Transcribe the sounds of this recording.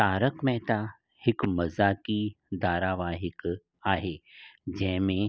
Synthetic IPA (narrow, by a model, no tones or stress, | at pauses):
t̪aːɾəkmɛ̃ɦt̪a | hɪkmɐzaːki | d̪aːɾaːʋaːɦɪk | aːɦeːd͡ʒɛːɦmẽ